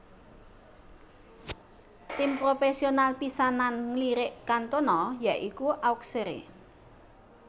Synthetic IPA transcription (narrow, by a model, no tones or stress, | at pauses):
t̪impɾofɛsionalpisananŋliɾɪʔkant̪onɔjaʔikuʔawkseɾḛ